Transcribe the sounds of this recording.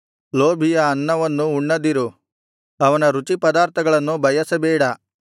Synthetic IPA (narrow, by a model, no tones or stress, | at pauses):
loːbʱijɐːnːɐʋɐnːuːɳːɐd̪iɾu | ɐʋɐnɐɾut͡ʃipɐd̪aːɾt̪ʰɐɡɐɭɐnːubʱɐjɐsɐbɛːɽɐ